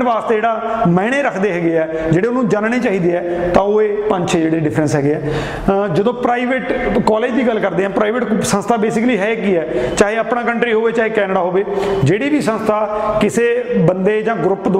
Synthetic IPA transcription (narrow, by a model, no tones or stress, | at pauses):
ʋaːst̪eːeːɽaː | mɛːɽ̃eːɾəkʰd̪eːɦɛːɡeːɛː | d͡ʒeːɽeːʊnũːd͡ʒaːnɳeːt͡ʃaːɦiːd̪eːɛːt̪ãːoːeːpə̃ɲd͡ʒt͡ʃʰed͡ʒeːɽeːɖɪpʰɾənsɦɛːɡeːɛː | d͡ʒəd̪õːpɾaːiʋeʈkɔːleːd͡ʒd̪iːɡəlkəɾd̪eːɦɛ̃ːpɾaːiʋeʈsə̃nst̪ʰaːbeːsɪkliːɦɛːkiːɛːt͡ʃaːɦeːəpɽãːkəɳʈɾiːɦoːʋeːt͡ʃaːɦeːkɛːnəɽaːɦoːʋeːd͡ʒeːɽiːʋiːsə̃nst̪ʰaːkɪseːbənd̪eːd͡ʒãːɡɾʊpːd̪